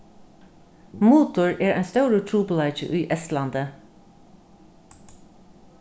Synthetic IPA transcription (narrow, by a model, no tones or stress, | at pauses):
muːt̪ʊɹeːɹæ̰ɪst̪æʉɹət̪ʰɹuːpəlɑɪt͡ʃə̰ʔyːʔɛst̪lɑnd̪ə